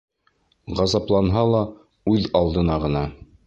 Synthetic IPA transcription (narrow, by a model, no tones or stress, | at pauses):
ʁɑzɑplˠɑnɦɑlˠɑ | ʉðɑlˠd̪ɤ̆nɑʁɤ̆nɑ